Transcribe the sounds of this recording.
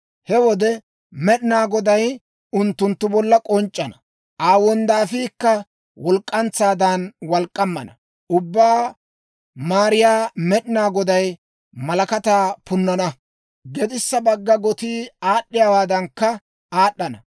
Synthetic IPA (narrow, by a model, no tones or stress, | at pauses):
hɛwɔd̪ɛ | mɛɗɪnaːɡɔd̪ɐj | ʊnt̪ːʊnt̪ːʊbɔlːɐkʼɔnt͡ʃʼːɐnɐ̥ | ʔaːwɔnd̪aːfiːkːɐ | wɔlkʼːɐnt͡sːaːd̪ɐnwɐlkʼːɐmːɐnɐ | ʔʊbːaː | maːɾɪjaːmɛɗɪnaːɡɔd̪ɐj | mɐlɐkɐt̪aːpʊnːɐnɐ | ɡɛd̪ɪsːɐbɐɡːɐɡɔt̪iːaːɗːɪjaːwaːd̪ɐŋkːɐ | aːɗːɐnɐ